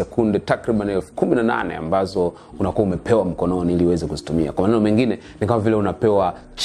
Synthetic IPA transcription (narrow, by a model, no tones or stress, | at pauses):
ɛkundɛtakɾiɓaniɛlfu̥kuminana̰nɛ̰a̰mbazɔ | unakuaumɛpʰɛwam̩kɔnɔniiliuwɛzɛkuzitumia̰kwamanɛnɔmɛŋɡinɛ | nikamavilɛunapɛwa | t͡ʃ